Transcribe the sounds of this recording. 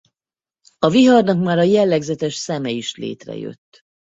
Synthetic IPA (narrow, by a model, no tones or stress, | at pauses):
ɒviɦɒrnɒkmaːɾɒjɛlːɛɡzɛt̪ɛʃsɛmɛiʃlḛːt̪rɛ̰jø̞̰t̪ː